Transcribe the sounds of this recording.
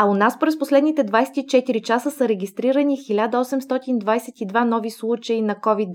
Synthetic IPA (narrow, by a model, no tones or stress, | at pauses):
ɐʊnaspɾɛsposlɛd̪nit̪ɛd̪vajsɛ̥t̪it͡ʃɛt̪iɾit͡ʃasəsəɾɛɡʲist̪ɾiɾənixilʲad̪əɔsɛmst̪ɔt̪ind̪vajsɛt̪id̪vanɔvislˠut͡ʃəinɐkɔvid̪